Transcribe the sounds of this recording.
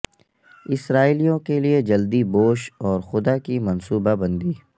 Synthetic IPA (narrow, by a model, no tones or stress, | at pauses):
ɪsɾaːilijõkelied͡ʒɐld̪iboːʃɔːɾxʊd̪akimɐnsuːbabɐ̃nd̪iː